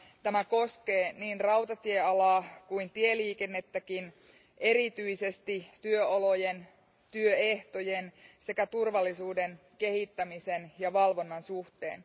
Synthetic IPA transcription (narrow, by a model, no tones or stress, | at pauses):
t̪æmæko̞ske̞ːniːnrɑwt̪ɑt̪ieɑlɑːkuint̪ieliːke̞nːe̞t̪ːækin | ʔe̞ɾit̪yise̞st̪it̪yøolo̞je̞n | t̪yøeht̪o̞jense̞kæt̪urʋɑlːisuːde̞n | ke̞hit̪ːæmisenjɑʋɑlʋo̞nːɑnsuht̪e̞̰ːn